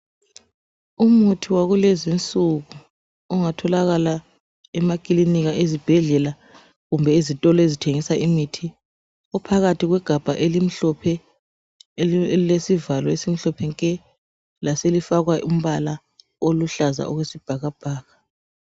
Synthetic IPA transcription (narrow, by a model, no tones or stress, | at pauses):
umutʰiwaɣulezint͡sʼuɣu | ɔŋatʰɔlaɣala | ɛmakʼiliniɣaʔezib̥ʱɛɮɛla | ɣumbʱɛizitʼɔlɔezitʰeŋisaʔimitʰi | ɔpʰaɣatʰiɣwɛɡ̥ʱab̥ʱaʔelim̩ɬɔpʰɛ | lesivalɔesim̩ɬɔpʰɛŋkʼɛ | laselifaɣwaʔum̩βala | oluɬaza̰ʔɔɣwesib̥ʱaɣab̥ʱaːɣa